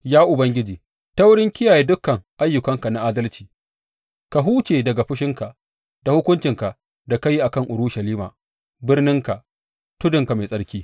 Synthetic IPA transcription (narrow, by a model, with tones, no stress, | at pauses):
jaː˦ʔʊ˨bɐ˦ŋɡʲɪ˦d͡ʒiː˨ | ta˦wʊ˦ɽɪ˦ŋkʲɪ˦jaː˨jeː˦dʊ˦kːɐ˨ŋʔa˦jːʊ˨kɐ˦ŋka˨na˦ʔaː˦dɐ˦lt͡ʃi̥ː˨ | ka˨ɦuː˦t͡ʃeː˨dɐ˨ɡa˨ɸɪ˦ʃɪ˦ŋka˨ | d̥a˨hʊ˦kʷʊ˦nt͡ʃɪ˨ŋka˨ʔ | da˨ka˦ji˦ʔa˨kɐ˦ŋʔʊ˨ɾʊ˦ʃɐ˨liː˦ma̰ː˨ | bɪ˦rnɪ˦ŋka˨ | tʊ˦dʊ˨ŋka˨ma˨sʼɐ˦ɽkʲiː˦